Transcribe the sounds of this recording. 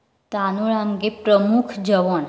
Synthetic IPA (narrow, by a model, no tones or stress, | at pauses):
t̪anuɭamɡepɾəmukʰd͡ʒəʋɔn